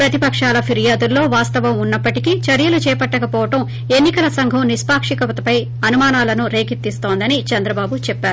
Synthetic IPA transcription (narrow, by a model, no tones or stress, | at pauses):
pɾɐt̪ipɐkʂaːlɐpʰiɾijaːd̪ulːo̞ːʋaːst̪ɐʋɐmunːɐpːɐʈikit͡ʃɐɾjɐlut͡ʃɛːjpɐʈːɐkɐpɔːʋɐʈɐm | e̞nːikɐlɐsɐŋɡʱɐmnispaːkʂikɐʋɐt̪ɐpɐj | ɐnumaːnaːlɐnuɾe̞ːkit̪ːist̪o̞ːnd̪ɐnit͡ʃɐnd̪ɾɐbaːbut͡ʃɛpːaːɾu